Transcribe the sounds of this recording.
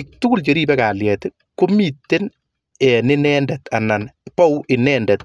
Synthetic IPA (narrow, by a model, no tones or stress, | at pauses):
ɪk̚tʊɡʊlt͡ʃeɾiːpɛkaljɛt | komitːen | ɛnɪnɛndɛtananpɔwɪnɛndɛt̪